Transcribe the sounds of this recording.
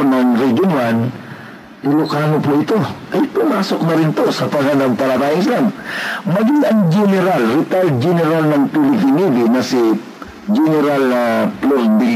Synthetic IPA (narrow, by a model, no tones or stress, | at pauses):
nɐŋɾɛd͡ʒonwan | ɪlʊkaːŋopʊʔɪt̪o̞ʔɐjpʊmaːso̞k̚nɐɾɪnt̪osɐt̪ɐɡanɐŋpɐlɐt̪aːjɪŋslaŋmɐɡiŋɐŋd͡ʒɛnɛɾalɾɪt̪al̚d͡ʒɛnɛɾalnɐŋpilɪpinid̪ɪnɐsi | d͡ʒɛnɛɾalnɐploɾbi